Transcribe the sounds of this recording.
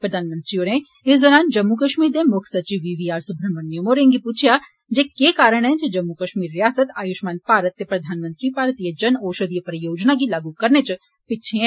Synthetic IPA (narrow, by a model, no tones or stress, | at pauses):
pɾɐd̪ʱaːnmə̃nt̪ɾioːɾẽ | ɪsd̪ɔːɾaːnd͡ʒɐmːukɐʃmiːɾd̪emʊkʰsɐt͡ʃiʋiːʋiːaːɾsʊbʱɾəmɐnːjomoːɾẽːŋɡipuːt͡ʃʰja | d͡ʒeːkeːkaːɾəɽ̃ɦɛ̃d͡ʒed͡ʒɐmːukɐʃmiːɾːɪjaːsət̪aːjʊʃmaːnpaːɾət̪ːepɾɐd̪ʱaːnmə̃nt̪ɾipaːɾt̪ijəd͡ʒɐnoːʃəd̪ijəpəɾəjoːd͡ʒnak̬ilaːɡukɐɾnet͡ʃ | pɪt͡ʃʰeɦɛ̃ː